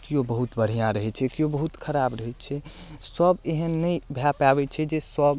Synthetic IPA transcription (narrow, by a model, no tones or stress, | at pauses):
kijobəɦut̪bəɽ̤ijãɾəɦɛt͡ʃʰɛkijobəɦut̪kʰəɾaːbɾəɦɛt͡ʃʰɛsəbeɦənːəibʱapabɛt͡ʃʰɛd͡ʒesəb